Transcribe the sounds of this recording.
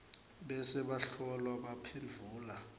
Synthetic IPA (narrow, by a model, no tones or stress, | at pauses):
ɓɛsɛɓaɬɔlwaɓapʰend͡ɮʱuːla